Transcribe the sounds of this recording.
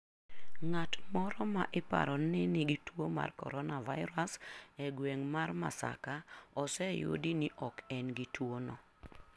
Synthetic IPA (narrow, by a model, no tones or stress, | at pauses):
ŋatmɔɾɔmaʔɪpa̰ɾɔnːɪnɪɡitwoma̰rkɔ̰ɾɔnavaɪɾasɛɡweŋmarma̰sa̰kaɔsɛjo̰diniʔɔkɛnɡitwonɔ